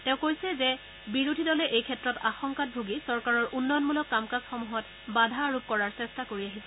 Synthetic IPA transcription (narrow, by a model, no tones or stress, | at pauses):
tɛ̃ʊ̃kojsɛzɛ | biɹudʱidɔlɛʔejkʰɛtɹɔtaxɔŋkat̚bʱoɡisɔɹkaɹɔɹʔunːɔjɔnmulɔkːamkasxɔmuɦɔt | badʱaɹub̚kɔɹaɹsɛstakoɹiaɦisɛ